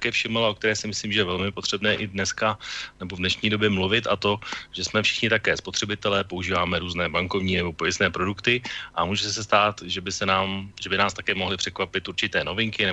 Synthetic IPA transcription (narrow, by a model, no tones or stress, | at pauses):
t̪akɛːfʃɪmlaʔok̚t̪ɛɾɛːsɪmɪsliːmʒɛjɛvɛlmɪpot̪r̥ɛbnɛːʔɪdnɛskanɛbo̞vdnɛʃɲiːdo̞bjɛmluvɪt̪at̪o̞ʒɛsmɛfʃɪ̥xɲɪt̪akɛːspot̪r̥ɛbɪt̪ɛlɛːpo̞uʒiːvaːmɛɾuːznɛːbaŋko̞vɲiːnɛbo̞pojɪsnɛːpɾo̞dukt̪ɪʔamuːʒɛs̬ɛs̬t̪aːt̪ʒɛbɪsɛnaːmʒɛbɪnaːst̪akɛːmo̞ɦlɪpr̥ɛkvapɪt̪ʔuɾt͡ʃɪt̪ɛːno̞vɪŋkɪnɛ